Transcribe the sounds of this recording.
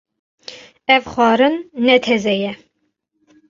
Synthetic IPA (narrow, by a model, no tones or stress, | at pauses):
ɛvχʷɑːɾɨnːɛt̪ʰɛzɛjɛ